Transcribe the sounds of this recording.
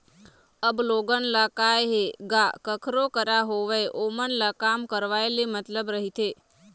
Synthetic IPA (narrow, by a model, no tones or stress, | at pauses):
əbloɡənlakajɦeɡakəkʰɾokəɾaɦoʋejʔomənlakamkəɾʋaelimət̪ləbɾəɦit̪ʰe